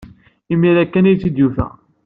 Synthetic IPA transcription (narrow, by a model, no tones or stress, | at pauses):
imːiɾækːænijt͡sːid̪jufæ̰